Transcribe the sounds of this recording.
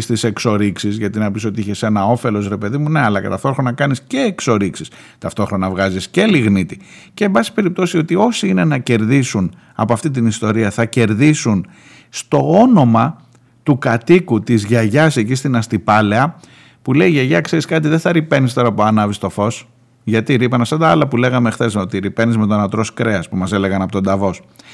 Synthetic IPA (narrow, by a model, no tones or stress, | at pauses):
st̪ise̞kso̞ɾiksizʝɐt̪inɐpiso̞t̪iiçe̞se̞nɐo̞fe̞lo̞sɾe̞pe̞ðimune̞ɐlɐcet̪ɐft̪o̞ɾxɾo̞nɐkɐnisce̞ːkso̞ɾiksist̪ɐft̪o̞xɾo̞nɐvɣɐzisce̞liɣnit̪ice̞ːbɐsi̥pe̞ɾip̚t̪o̞sio̞t̪io̞siine̞nɐce̞ɾðisun | ɐ̰po̞ɐft̪it̪̬inist̪o̞ɾiɐθɐce̞ɾðisun | st̪o̞o̞no̞mɐ | t̪ukɐt̪ikut̪izʝɐʝɐsecist̪inɐst̪ipɐle̞ɐ | pule̞iʝeʝɐkseɾiskɐt̪̬iðeθɐɾipe̞nist̪o̞ɾɐpoɐnɐvist̪o̞fo̞s | ʝɐt̪iɾipɐnɐsɐnd̪ɐɐlɐpule̞ɣɐmexθe̞sot̪iɾipe̞nizme̞t̪o̞nɐt̪ɾo̞skɾe̞ɐspumɐse̞leɣɐnɐpot̪o̞nd̪ɐvo̞s